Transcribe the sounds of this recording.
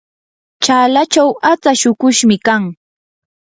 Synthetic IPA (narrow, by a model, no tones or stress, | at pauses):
t͡ʃaːlat͡ʃawat͡saʃʊkʊʃmɪkaŋ